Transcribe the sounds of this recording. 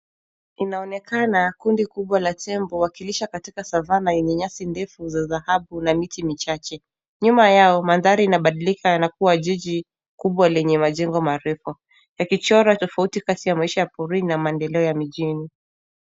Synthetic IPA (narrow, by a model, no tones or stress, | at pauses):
inaɔnɛkanakundikuɓwalatʰɛmbɔwakiliʃakatikasavanaɛɲɛɲasindɛfuzaðahaɓunamitimit͡ʃat͡ʃɛ | ɲumajaɔmanðaɾiːnaɓaɗilikanak̚uwaʄiʄi | kuɓwalɛɲɛmaʄɛŋɡɔmaɾɛfɔ | jakit͡ʃɔɾatɔfautikatijamaiʃajapɔɾinamaɛndɛlɛɔjamiʄini